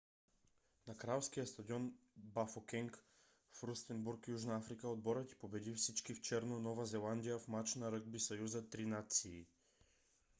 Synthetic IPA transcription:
nakɾalˠfskijəst̪ad̪iɔnbafokʲɛŋk | fɾust̪ɛnbuɾkjuʒnaafɾikaod̪̚bɔɾət̪i̥pobɛd̪ifsit͡ʃkift͡ʃɛɾnonɔvazɛlˠand̪ijafmat͡ʃnaɾɤɡ̚bisajuzət̪ɾinat̪siː

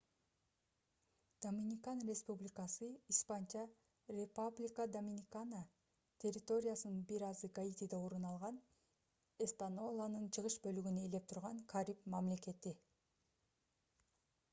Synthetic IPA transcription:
d̪̥omʲinʲikanrʲespublʲɪkasɯispant͡ʃɑ | rʲepublʲikad̪omʲinʲikana | t̪ʰʲe̞rʲːɪt̪o̞ɾʲɪjasɯnɯnbiɾɑzɨkait̪ʲid̪eoɾunɑlˠʁɑn | est̪anolˠanɯnt͡ʃʰɯʁɯʃbø̞lyɡynyele̞p̚t̪ʰuɾʁɑŋkʰaɾʲipmamle̞ke̞t̪i

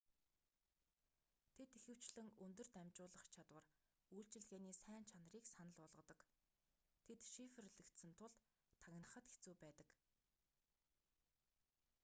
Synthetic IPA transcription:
t̪ʰet̪ixɘ̆w̥t͡ɕɮɘ̆ŋɵnt̪ɵ̆r̥t̪æmt͡ɕʊːɮə̆χt͡ɕʰat̪wə̆r | ujɬt͡ɕɪ̆ɮɣeːniːsæːnt͡ɕʰanə̆riːksanə̆ɮʊɮʁə̆t̪ə̆k | t̪ʰet̪ʃifɘ̆rɮɘ̆kt̪sɘ̆nt̪ʰʊɮ | t̪ʰːaɣʲnə̆χə̆t̪ɡe̥t͡suːpæːt̪ə̆k

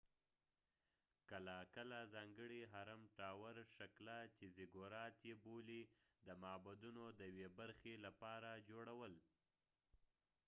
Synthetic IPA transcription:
kəlakəlazɑŋɡəɽiɦaɾamʈɑwaɾʃaklat͡ʃezɪɡoɾɑt̪jebolid̪əmɑbad̪unod̪əjwebaɾxelapɑɾad͡ʒoɽawəl

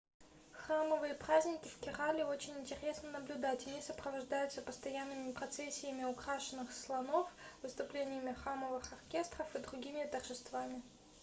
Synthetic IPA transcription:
xraməvɨjəpɾazʲnʲɪkʲɪfkʲɪralʲɪot͡ɕɪnʲɪnʲtʲɪɾʲe̞snənəblʲʊd̪atʲɐnʲisəpɾəvɐʐd̪ajʊt̪səpəst̪ɐjanːɨmʲɪpɾɐt̪sesʲːɪjəmʲɪʊkɾaʂɨnːɨxslˠɐno̞fvɨst̪ʊplʲenʲɪjəmʲɪxraməvɨxɐrkʲe̞st̪rəfɨd̪ɾʊɡʲimʲɪt̪ərʐɨst̪vamʲɪ

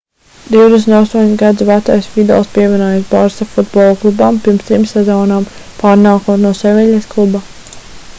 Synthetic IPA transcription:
d̪iwd̪esnt̪ast̪uɔɲʲsɡad̪zivat̪ajsfid̪ɛ̰lˠspiɛvʲiɛnuɔjasbaɾsafud̪bɔːlˠklˠubampiɾmst̪ɾimsɛzɔːnaːm | paːɾnaːkunuɔsɛvɛʎʲesklˠuba

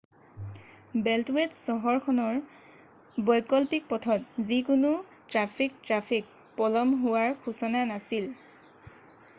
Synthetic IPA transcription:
bɛltwetsɔɦɔɹkʰɔnɔɹ | bɔjkɔlpik̚pɔtʰɔtzikʊnʊ | tɹapʰik̚tɹapʰik̚ | pɔlɔmɦʊwaɹxʰusɔnanasil

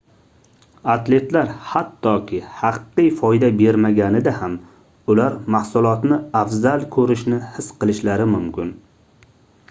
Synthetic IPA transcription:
at̪le̞t̪laɾhat̪ʰːɒkʲʰɪhɑqːɨjfɒjd̪abe̞ɾmaɡʲanɪd̪aham | ʊlaɾmahsʊlˠɒt̪nɪafzalˠkʰɵɾɪʃnɪhɪsqɨlˠɪʃlaɾɪmʊmkʲʰɪn

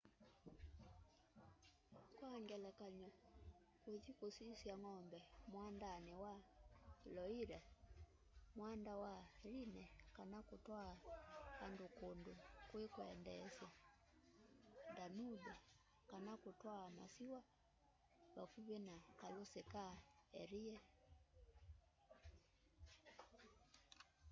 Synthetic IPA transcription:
kwaŋɡɛlakaɲɔ | kwed͡ʒikusisjaŋɔmbɛmwandanɛwa | lɔiɾɛ | mwandawalinɛkanakutwaahandukondukwikwɛndɛsja | ndanubɛ | kanakutwama̰siwa | bafuβɛnakalusɛkaɛɾiɛ

